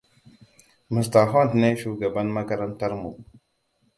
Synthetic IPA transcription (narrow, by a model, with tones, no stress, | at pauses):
mə˨sta˨ɦa˦n˨tne˦ʃu˦ɡa˨ba˦nma˦ka˦ɾa˦nta˦ɾmṵ˨